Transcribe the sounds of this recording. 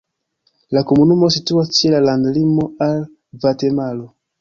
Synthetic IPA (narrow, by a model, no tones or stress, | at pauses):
lakomunumo̞situat͡ʃelalandlimoal | vatemalo